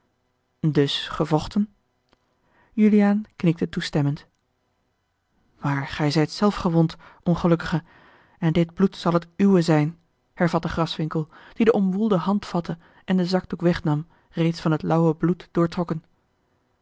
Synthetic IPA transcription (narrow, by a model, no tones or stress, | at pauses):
dɵsχəvɔχtən | jylijaːnknɪk̚tətustɛmənt | maːɹχɛjzɛjtsɛlˠfχəʋontʔɔnχəlɵkəχə | ɛndɪd̚blutsɑlˠɦətywəzɛjn | hɛɹvɑt̚dəχrɑsʋɪŋkəlˠd̥idəʔɔmʋulˠdəɦɑntfɑtə | ʔɛndəzɑɡ̚dukʋɛχnɑm | rejtsfɑnətlʌwəblutd̥ʊːɹtrɔkən